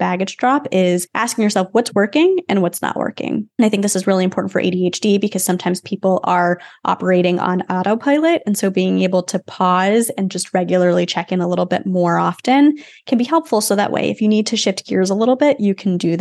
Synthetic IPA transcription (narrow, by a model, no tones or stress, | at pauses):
b̥æɡɨdd͡ʒdɹɑpɪz̥ʔæ̰skɪ̃ŋjə˞sɛlˠfwʌtswɜ˞kɪ̃ŋɨ̃nwʌtsnə̰ʔwɜ̰˞kɪ̰̃ŋnaɪθɪ̃ŋk̚ðɪsɨzɹɪlˠiɨ̃mpʰɔɹʔn̩fə˞ʔḛɪɾieɪt͡ʃd̥ibɨkʰʌz̥sʌ̃mtʰãɪ̃mz̥pʰipl̩ˠə˞ʔɑ̰pə˞eɪɾɪ̃ŋə̰̃nɑɾoʊpʰaɪlˠɨɾɨ̃nsoʊbiɪ̃ŋeɪbl̩ˠtʰɨpʰɔzɨ̃nd͡ʒʌst̚ɹɛɡjl̩ˠə˞lˠit͡ʃʰɛkɨ̃nəlɪɾl̩ˠbɪ̰t̚mɔɹɑfɨ̃n | kʰɨ̃nbihɛlˠpfl̩ˠsoʊðə̰ʔwḛɪɨfjɨnid̚tʰɨʃɪft̚ɡ̥ʰɪɹzəlɪɾl̩ˠbɪʔɨkʰndɨ